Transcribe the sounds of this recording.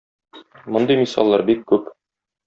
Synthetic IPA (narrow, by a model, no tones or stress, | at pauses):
mŏnd̪ɤjmisɑ̰lˠːɑɾbikːʉp